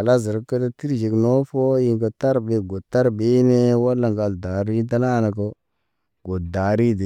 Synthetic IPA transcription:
a˨la˦ze˨ɾke˦ta˦ti˦ɾd͡ʒi˨kno˦fo˦ji˦ŋko˨ta˦ɾbe˨ɡo˨ta˦ɾbe˦ne˦wa˦lːa˨ŋɡa˨lda˨ɾi˦t̬a˦na˦˨na˨k̬o˦ | ɡo˨da˨ɾi˦de˨

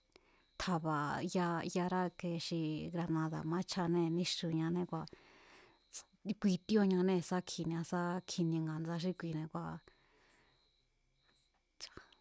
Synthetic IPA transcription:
t̪ʰa˧βa˨˧ja˧ja˧ɾa˦ke˧ʂi˧ɡɾa˧nã˧ða̰˨mã˦t͡ʃʰa˧nẽ˦˨˧nĩ˧˦ʂu˧˨ɲã˧nẽ˧kʷa˧ | kʷi˧t̪i˦o˧ɲã˧nẽ˧˨˧sa˦kʰi˨nĩ˧ã˧sa˦kʰi˧nĩ˧ŋɡa˨nd͡za˧ʃ̬i˦kʷi˧˨nẽ˧kʷa˧ | t͡ʃḁ˧

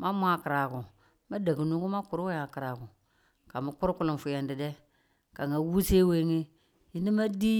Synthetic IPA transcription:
ma˦mʷ˦a˨ki˨ɾa˨ku˨ | ma˦da˨ɡu˨nu˦ɡu˦ma˦ku˨ɾu˦wa˦ja˨ki˨ɾa˨ku˨ | ka˨mu˨˦ku˦ɾku˦lu˨m˨fu˨ja˨ndi˨de˦ | ka˨ŋa˨˦wu˦se˦we˦ŋi˦ | ji˦ndi˦ma˦di˦

